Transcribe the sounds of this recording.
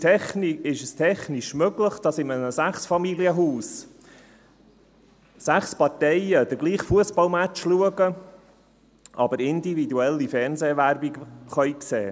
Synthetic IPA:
tʰɛχniɪʃəstʰɛχnɪʃmøɡləχd̥ɑsɪmənəsæχsfɑmiliəɦuːs | sæχspɑɾtɛɪəd̥̪əɾɡliːχfuəsbɑlmæt͡ʃluəɡə | ʔɑ̰bəɾɪnd̪ividuɛlːifɛnzeːʋæɾbikχœjkseː

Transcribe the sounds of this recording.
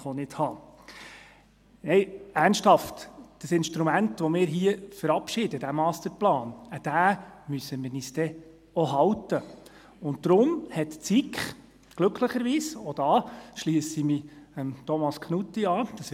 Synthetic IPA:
χɔnɪthɑː | nɛɪæːɾnʃthɑftd̥əsɪnʃtɾumæntʋɔmɪːɾɦiəfəɾɑpʃɪdəd̥æmɑːstəɾplɑːnəd̥æːmysəmɪniːst̪ɛ | ɔɦɑwtə | ʊnt̚d̥ɾʊmhɛtt͡sikχ | ɡ̥lɵkʰləχəɾʋiːsod̥ɑːʃliːsimiəmt̪ɔmɑskχnutːiɑːd̥əs

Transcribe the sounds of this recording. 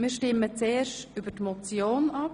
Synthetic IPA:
mɪːɾʃtɪmːət͡seːrʃtyb̥ətmɔt͡sjoːnɑp

